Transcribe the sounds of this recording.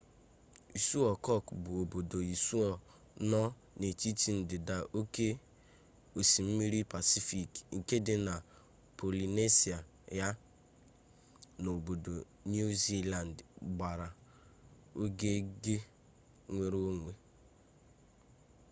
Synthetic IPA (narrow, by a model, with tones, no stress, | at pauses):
i˨su˦ɔ˨kɔ˦˨kbʊ˨o˨bo˨do˨i˨su˦ɔ˨ | nɔ˦ | ne˨t͡ʃi˦ti˦n̩˨dɪ˨da˨ʔo˦ke˦ | o˨si˨m̩˦mi˦ɾi˦pa˨si˦fi˨kŋ̩˨ke˦dɪ˦na˨ | pʰo˨li˨ne˦si˨a˨ | ja˦ | no˨bo˨do˨ | nu˦zi˦la˨n˨dɡ͡ba˨ɾa˨ | o˦ɡe˦ɡe˦ | ŋʷe˦ɾo˦ŋʷe˨